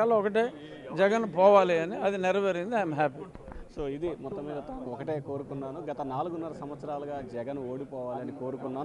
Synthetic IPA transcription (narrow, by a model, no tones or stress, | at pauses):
aːloɔkɐʈ̬e̞ː | d͡ʒɛɡɐnpɔːʋaːliɐniɐd̪inɛɾɐʋɐɾind̪iɐjmɦaːpi | so̞ːid̪imɔt̪ːɐmːiːd̪ɐt̪aːnuɔkɐʈe̞ːko̞ːɾukunːaːnuɡɐt̪ɐnaːluɡunːɐɾɐsɐmʋɐt̪sɐɾaːlɐɡaːd͡ʒɛɡɐnoːɽipɔːʋaːliɐniko̞ːɾukunːaː